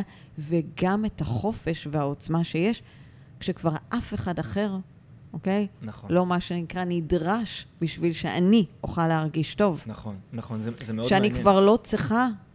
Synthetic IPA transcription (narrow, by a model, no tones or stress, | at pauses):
veɡamethaχo̞fe̞ʃveao̞t͡smaʃe̞jeʃ | kʃekvaʁʔafe̞χadaχe̞ʁ | ʔoke̞jnlo̞maʃe̞nikʁanidʁaʃbiʃvilʃeʔa̰nioχaleaʁɡiʃto̞vnon | ʃeanikvaʁlo̞t͡siχa